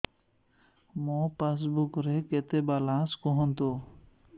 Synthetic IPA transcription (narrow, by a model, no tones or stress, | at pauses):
mopas̬bukɾeket̪ebalãskɔɦɔnt̪o